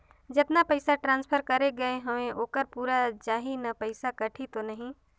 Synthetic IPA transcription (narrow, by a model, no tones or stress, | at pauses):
d͡ʒɪt̪napəɪsaʈɾãːnspʰəɾkɐɾeɡɐeɦɐmẽʔoːkəɾpuːɾad͡ʒaːɦinɐpəɪsakɐʈʰit̪onɐɦĩ